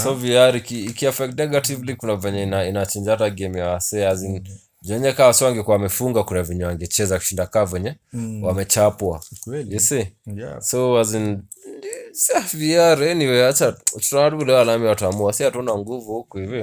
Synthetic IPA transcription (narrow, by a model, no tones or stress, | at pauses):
soviaɾikiːkiafɛk̚tnɛɡativlikunavɛɲɛinainat͡ʃind͡ʒataɡɛmiaasɛazin | d͡ʒɛɲɛkawasɔwaŋɡɛkuawamɛfuŋɡakunaviɲɛwaŋɡɛt͡ʃɛzakuʃindakaːvɛɲɛwamɛt͡ʃapwajɛsisoazin | disaviaɾɛniwɛat͡ʃautu̥tanatukulɛalamiwatuamuasihatunaŋɡuvuhukuhivi